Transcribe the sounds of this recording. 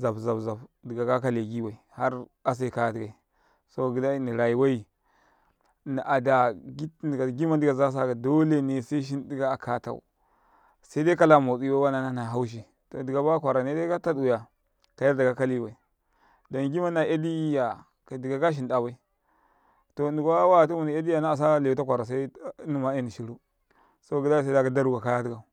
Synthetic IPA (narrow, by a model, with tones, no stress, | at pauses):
za˨bza˨bza˨bdi˨ɡa˨ɡa˦ka˦le˨ɡi˦wa˨i˨ha˦ɾa˨s̬a˦˨ka˨ja˨di˨ɡa˨i˨ | so˦˨ɡi˨˦da˦ni˨ɾa˨i˨wa˦i˨ | ni˨ʔa˨da˨ɡi˦˨ɡa˨ɡi˦ma˦ndi˦ɡa˨za˦s̬a˦˨ɡa˨do˦le˦˨ne˨sa˦i˦ʃ̬i˦ndi˦ɡa˦a˨kʰa˦ta̰˨ṵ˨ | sa˦i˦da˦ka˦la˨mo˨t͡si˦wa˦wa˦na˨˦na˦na˨ɦa˦wu˦ʃ̬i˨ | to˨di˨ɡa˨ba˦kʷa˨ɾa˨ne˦da˦ka˦ta˦ɗu˨ja˨ | ka˨ja˦da˨ɡa˨ka˦li˦˨wa˨i˨ | do˨nɡi˦ma˦na˨e˦di˦ja˨ | ka˨di˨ɡa˨ɡa˦ʃ̬i˨nda˨wa˦i˦ | to˨ndi˨ɡa˦wa˦˨tu˦mu˨ni˨a˦di˦ja˨na˦a˨s̬a˦le˨u˨ta˦kʷa˨ɾa˨s̬a˦nu˦ma˨˦e˦˨ni˨ʃi˨ɾu˦ | so˦ɡi˦da˦˨sa˦a˨ɡa˦da˦ɾu˦˨ɡa˨ka˦ja˦di˦ɡa˨